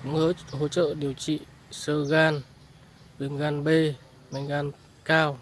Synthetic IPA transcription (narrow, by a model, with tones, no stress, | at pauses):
ŋəː˨˦ho̰˧˥t͡ɕə̰ː˧˨ɗi˨˩əwt͡ɕḭ˧˨ | səː˧ɣaː˧n | ɗɨ˨˩əŋɣaː˧nɓe˧ | ma˨˧˩ŋɣaː˧˩n | kaː˧w